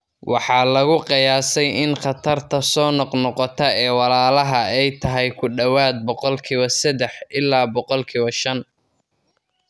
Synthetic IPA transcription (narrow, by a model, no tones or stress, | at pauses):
wʔɑħɑːlɐɣʊqɪjaːsɛjʔɪnχɑt̪ʰɐrt̪ʰɐsɔːnɔqnɔqɔt̪ʰɐɛːwɑlaːlɐɦɐɛjt̪ʰɐɦɛjkʰʊɖɐwaːd̪̚bɔqɔlkʰiːβɐsɐd̪ɛħʔɪlːaːbɔqɔlkʰiːβɐʃɐn